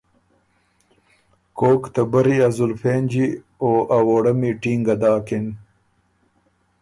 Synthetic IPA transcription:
koːkt̪ɐbɐɾiɐzulfeːnd͡ʑi | oːʔawoːɽɐmiʈiːŋɡɐd̪aːkin

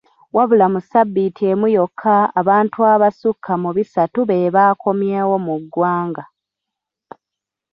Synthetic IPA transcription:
waβulamusabːitie̞mujo̞kʰːaːβaːntuaβasukʰːamuβisatuβeːβaːko̞mjeːwo̞muɡːwaːŋɡa

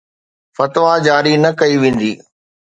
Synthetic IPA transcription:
fɐt̪ʋad͡ʑaːɾinɐkɐiʋẽːn̆d̪iː

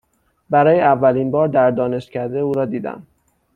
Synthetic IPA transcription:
bæɾɒːjeævːæliːnbɒːɾd̪æɾd̪ɒːne̞ʃt̪cʰæɾd̪e̞uːɾɒːd̪iːd̪æ̰m

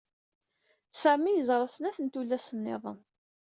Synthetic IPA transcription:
sæmːijəzˤɾˤɑsənæθənt̪ulːæsənːḛðˤəm

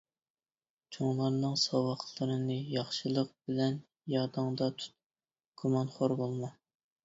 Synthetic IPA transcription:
t͡ʃʰoŋlˠɑɾnɨŋsɑwɑχlˠɨɾɨnɨjɑχʃɨlˠəq̚bɪlɛn | jɑd̪ɨŋd̪ɑt̪ʰu̥t̪̚ | ɡ̥omɑnχoɾbolˠmɑ

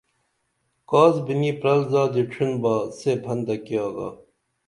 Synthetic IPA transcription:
kaːzbiniːpɾɐlzaːd͡ʑ̪iʈ͡ʂʰinbaːseːbʰʱɐnd̪ɐkiɑːɡa̰ː

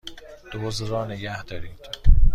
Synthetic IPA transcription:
d̪̥ozɾɒːnɪɡæhd̪ɒɾid̪̥

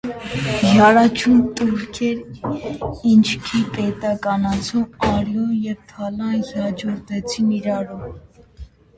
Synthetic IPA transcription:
jɑɾɑt͡ʃʰunt̪ʼuɾkʰɛɾ | int͡ʃʰkʰipɛt̪ɑkɑnɑt͡sʰumɑɾjɔnjɛvt̪ʰɑlɑnɑd͡ʒɔɾt̪ʰɛt͡sʰiniɾɑɾɔm

